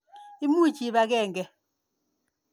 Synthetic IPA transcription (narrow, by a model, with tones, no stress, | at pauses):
i˦mu˦˨t͡ʃi˨˦βa˨ɣɛ˦˨ŋɡɛ˨